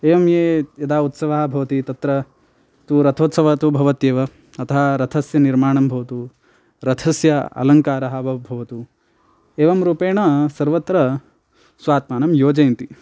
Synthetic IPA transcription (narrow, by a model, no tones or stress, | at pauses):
eːʋɐmjeːjɐd̪aːut̪sɐʋɐɦɐbʱɐʋɐt̪it̪ɐt̪ɾɐ | t̪uɾɐt̪ʰoːt̪sɐʋɐt̪ubʱɐʋɐt̪jeːʋɐ | ɐt̪ʰɐɦɐɾɐt̪ʰɐsjɐniɾmaːɳɐmbʱɐʋɐt̪u | ɾɐt̪ʰɐsjɐɐ̰lɐŋkaːɾɐɦɐbʱɐbʱɐʋɐt̪u | eːʋɐmɾuːpeːɳɐsɐɾʋɐt̪ɾɐ | sʋaːt̪maːnɐmjoːd͡ʒɐjnt̪i